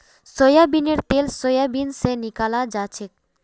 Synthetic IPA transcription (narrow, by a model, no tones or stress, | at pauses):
sojabineɾt̪elsojabinsenikalad͡ʑat͡ɕʰek̚